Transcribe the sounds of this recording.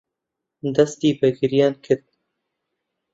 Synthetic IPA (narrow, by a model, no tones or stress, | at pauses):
d̪ɐst̪iːbɛɡɨɾijɑːnkʰɨɾd̪̚